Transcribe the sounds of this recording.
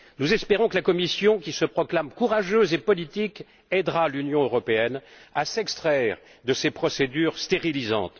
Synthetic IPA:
nuzɛspeʁɔ̃kəlakɔmisjɔ̃kʲisəpχɔklamkuʁaʒøzepɔlit̪ik | ɛd̪ʁalynjɔ̃øʁɔpeɛnasɛkst̪χɛʁd̪əsepχɔsed̪yːʁst̪eʁilizɑ̰̃t̪

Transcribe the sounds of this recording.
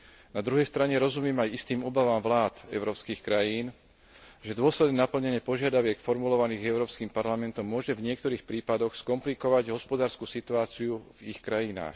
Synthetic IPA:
nad̪ɾuɦɛjst̪ɾaɲɛɾɔzumɪɛmajist̪iːmɔbaʋaːmʋlaːt̪ɛ̰ʊɾɔːpskiːxkɾajiːn | ʒɛd̪ʊɔslɛd̪nɛnapl̩ɲɛɲɪɛpɔʒɪad̪aʋɪɛkfɔɾmulɔʋaniːɣɛʊɾɔːpskiːmpaɾlamɛnt̪ɔmːʊɔʒɛvɲɪɛk̚t̪ɔɾiːxpɾiːpad̪ɔxskɔmplikɔʋaɟɦɔspɔd̪aːɾskusit̪uaːt͡siuvixkɾajina̰ːx

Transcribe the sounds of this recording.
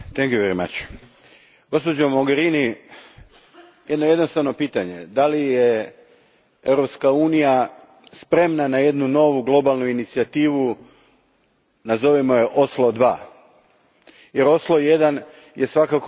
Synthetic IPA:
t̪eŋkjuʋʲeɾima̰t͡ɕ | ɡ̥o̞spod͡ʒomo̞ɡeɾini | je̞d̪nojed̪nost̪aʋno̞piːt̪aɲed̪alije | eʋɾo̞pskauːnija | spɾe̞mnanaje̞d̪nuno̞ʋuɡlˠo̞balˠnuinit̪siat̪iːʋu | nazo̞ʋimo̞jeʔoslˠo̞d̪ʋaː | je̞ɾo̞slˠo̞je̞d̪an | je̞sʋakak

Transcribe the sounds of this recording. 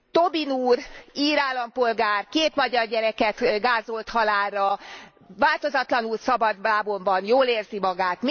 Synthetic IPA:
t̪o̞binuːriːɾaːlːɒmpo̞lɡaːrkeːt̪mɒɟɒrɟɛɾɛkɛt̪ɡaːzo̞lt̪hɒlaːrːɒ | vaːlt̪o̞zɒt̪lɒnulsɒbɒd̪baːbo̞ɱvɒnjoːleːrzimɒɡaːt̪mi

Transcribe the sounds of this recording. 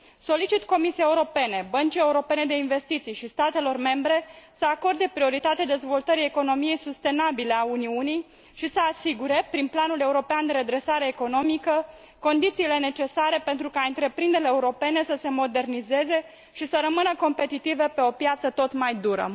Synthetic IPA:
so̞lit͡ʃit̪ko̞misijeeuɾo̞pe̞ne̞bənt͡ʃije̞uɾo̞pe̞ne̞d̪e̞inve̞st̪it̪sijʃist̪at̪e̞lo̞rme̞mbɾe̞səako̞rd̪e̞pɾio̞ɾit̪at̪ead̪e̞zvo̞lt̪əɾieko̞no̞mije̞jsust̪e̞nabile̞auniunij | ʃisəasiɡuɾe̞pɾinplanule̞uɾo̞peand̪e̞ɾe̞d̪ɾe̞saɾe̞ːko̞no̞mikə | ko̞nd̪it̪siːle̞ne̞t͡ʃe̞saɾe̞pe̞nt̪ɾukaɨnt̪ɾe̞pɾind̪eɾleːuɾo̞pe̞ne̞səse̞mo̞d̪e̞rnize̞ze̞ | ʃisəɾəmɨnəko̞mpe̞t̪it̪ivepe̞o̞pjat̪sət̪o̞t̪majd̪uɾə̰

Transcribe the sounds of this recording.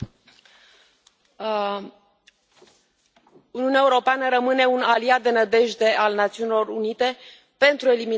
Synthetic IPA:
uniunɛae̞uɾo̞peanəɾəmɨne̞unaliat̪̚d̪e̞nəd̪e̞ʒd̪e̞ʔalnat̪siunilo̞runit̪e̞ | pe̞nt̪ɾue̞limi

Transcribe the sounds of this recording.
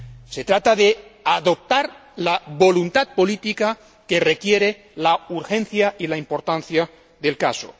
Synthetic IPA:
se̞t̪ɾat̪aðe̞aðo̞p̚t̪aɾ | laβo̞lunt̪at̪̚po̞lit̪ika | ke̞re̞kje̞ɾe̞ | lauɾxẽ̞nθjailaimpo̞ɾt̪anθja | ðe̞lkaso̰

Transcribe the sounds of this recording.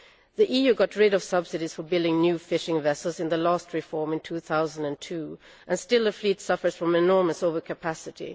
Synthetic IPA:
ðiʔijʉɡɑtʰɹɪɾʌv̥sʌb̥sɨɾiz̥fə˞bɪlˠdɪ̃ŋnjʉfɪʃɪ̃ŋvɛsl̩ˠzɨ̃nðəlæst̚ɹɨfɔɹmɨ̃ntʰuθaʊzə̃n̩dɨ̃ntʰʉ | ʔɨ̃nstɪlˠəflitsʌfə˞z̥fɹʌ̃mɨnɔɹməsoʊvə˞kʰɨpʰæsɨɾḭ

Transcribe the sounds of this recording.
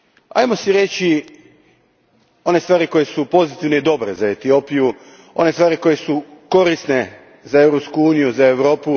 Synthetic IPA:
a̰jmo̞siɾe̞t͡ʃi | o̞ne̞st̪ʋaːɾiko̞je̞supo̞zit̪iʋne̞id̪o̞bɾḛzae̞t̪io̞ːpiju | o̞̰nest̪ʋaːɾiko̞je̞suko̞ɾisne̞ | zae̞ʋɾopskuuːnijuzae̞ʋɾo̞ːpu

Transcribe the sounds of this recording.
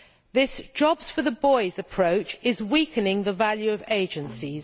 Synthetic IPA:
ðɪsd̥ʒ̥ɒbz̥fəðəbɔɪzəpʰɹ̥əʊt͡ʃɪzwiˑkʰənɪ̃ŋðəvaljʉəveɪd͡ʒə̃nsiz̥

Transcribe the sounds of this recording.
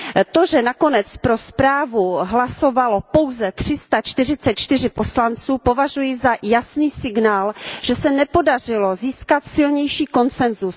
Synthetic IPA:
t̪o̞ʒɛnako̞nɛt͡spɾo̞spɾaːvuɦlaso̞valo̞po̞wzɛt̪r̝̥ɪst̪at͡ʃt̪ɪr̝ɪt͡sɛt̪̚t͡ʃt̪ɪrɪpo̞slant͡suːpo̞vaʒujɪzajasniːsɪɡnaːlʒ̥ɛsɛnɛpo̞dar̝ɪlo̞ziːskat̪sɪlɲɛjʃiːko̞nt͡sɛnzus

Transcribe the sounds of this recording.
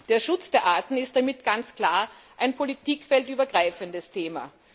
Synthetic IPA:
d̥eːɐʃʊt͡sd̥eːɐʔaːɐtn̩ɪst̚d̥amɪtɡ̥ant͡skl̥aːɐ | ʔaɪnpʰolitʰiːkfɛltʔyːbɐɡʁaɪfəndəstʰeːma̰

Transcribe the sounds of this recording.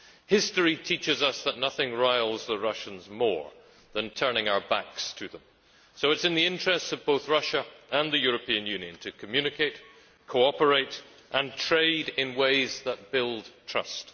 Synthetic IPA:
hɪstə˞itʰit͡ʃɨzʌsðəʔⁿnʌθɪ̃ŋɹaɪlˠzðəɹʌʃə̃nzmɔ̰ɹ | ðə̃ntʰɜ˞nɪ̃ŋaʊə˞ba̰kstʰɨðə̃m | soʊɨtsɨ̃nðiɪ̃nt͡ʃɹ̥ɛstsʌvboʊθɹʌʃəə̃nðɨjʊɹɨpʰiɨ̃njʉ̃njɨ̰̃ntʰɨkʰəmjʉnɨkʰeɪt̚ | kʰoɔpə˞eɪt | ʔə̃ntʰɹ̥eɪɾɪ̃nweɪzðət̚b̥ɪlˠd̚tʰɹ̥ʌ̰st

